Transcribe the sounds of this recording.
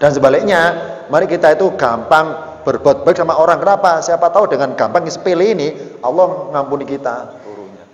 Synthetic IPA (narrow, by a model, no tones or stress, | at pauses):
d̥a̤nsəmbalɪk̚ɲamaɾikit̪ait̪uɡ̥ampaŋ | b̥ərb̥ɔt̪̚b̥aɪk̚samaoɾaŋkənapasiapat̪audəŋanɡ̥a̤mpaŋisə̥peleːnialːɔhŋampunikit̪at̪uɾuɲa